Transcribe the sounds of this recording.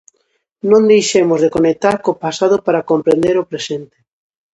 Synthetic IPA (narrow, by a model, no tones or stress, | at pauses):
nõnd̪ejʃemʊzðekonek̚t̪aɾkopasaðʊpaɾakompɾend̪eɾopɾesent̪ɪ̥